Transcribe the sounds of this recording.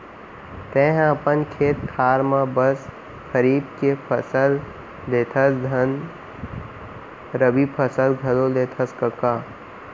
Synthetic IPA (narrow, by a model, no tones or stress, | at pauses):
t̪ẽːɦəpənkʰeːt̪̚kʰaːɾmãbəs | kəɾiːb̚kepʰəsəl | d̪eːt̪ʰɐsd̪ʱɐn | ɾəbipʰɐsəlɡʱɐlod̪eːt̪ʰəskəkaː